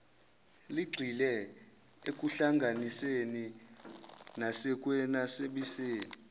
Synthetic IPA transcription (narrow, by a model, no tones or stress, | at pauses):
liɡ͡ǀʱilɛ | ek̬ʼuɬaŋɡʱaniseni | nasɛkʼwɛnaseɓiseːni